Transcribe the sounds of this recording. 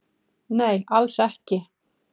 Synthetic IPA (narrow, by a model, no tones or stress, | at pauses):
neːjalsɛhcɪ